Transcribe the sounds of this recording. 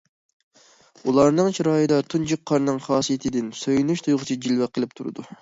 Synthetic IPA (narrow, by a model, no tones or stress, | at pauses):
ulˠɑɾnɨŋt͡ʃʰiɾɑːjɨd̪ɑt̪ʰund͡ʒik̚qʰːɑɾnɨŋχɑːsijet̪ʰɪd̪ɪnsøjynyʃt̪ʰujʁʊt͡ʃʰid͡ʒilwɛqʰːəlˠɨp̚t̪ʰuɾɨ̰d̪u